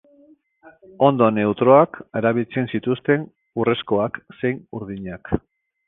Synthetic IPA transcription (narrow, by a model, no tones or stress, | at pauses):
o̞nd̪o̞ne̞ut̪ɾo̞akeɾaβilt͡se̞nsit̪ust̪e̞n | ure̞sko̞akse̞jnuɾðiɲak